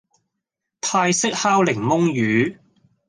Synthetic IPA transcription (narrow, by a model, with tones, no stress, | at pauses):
t̪ʰaː˧jsɪ˥k̚haː˥wlɪ˨˩ŋmʊ˥ŋjyː˨˥